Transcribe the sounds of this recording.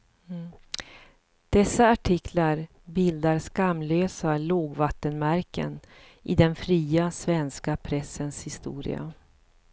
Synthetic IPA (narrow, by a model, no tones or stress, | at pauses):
d̪̥ɛsːaːʈʰɪkʰlaɾ | bɪld̪aɾskamløːsaloːɡvat̪ːənmæɾkə̰n | ʔɪd̪ɛnfɾiːasvɛnskapʰɾɛsːənshɪst̪ṵːɾɪ̰a̰